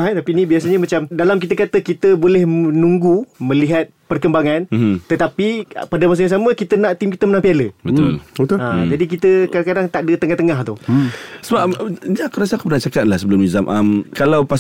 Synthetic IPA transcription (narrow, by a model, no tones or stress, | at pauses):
ɦɛt̪apinibiasaɲəmat͡ʃamdalamk̬it̪əkat̪əkit̪əbolɛhnũŋɡumə̃liɦat̪̚pərkəmbaŋant̪ət̪apipadamasəɲãŋs̬amə̃kit̪ənaʔt̪imkit̪əmənãmpialəbət̪ʊ̰lbət̪ʊad͡ʒadik̬it̪əkadaŋkadaŋt̪aʔdət̪əŋaht̪əŋaht̪usəbaɲaakuɾasəakupərnaht͡ʃakat̪̚lahsəbəlʊmizamʔəmkalawpas